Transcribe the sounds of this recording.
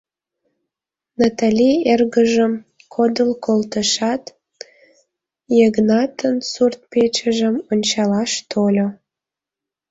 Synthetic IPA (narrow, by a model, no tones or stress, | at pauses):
nɑt̪ɑlʲierɣəʒəm | kʰod̪əlkolt̪əʃɑt̪ | jeɣnɑt̪ənsurt̪̚pet͡ɕəʒəmonʲt͡ɕɑlɑʃt̪ʰolʲo